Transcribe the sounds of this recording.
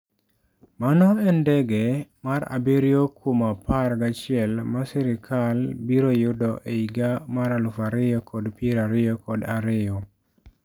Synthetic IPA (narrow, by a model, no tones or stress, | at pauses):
manɔɛndɛɡɛmaɾa̰biɾjokʰumaparɡat͡ʃɪɛlmasɛɾɪkʰalbiɾojʊdɔʔeiɡamaɾalʊfaɾɪjɔkʰɔdpiɾaɾɪjɔkɔdaɾɪjɔ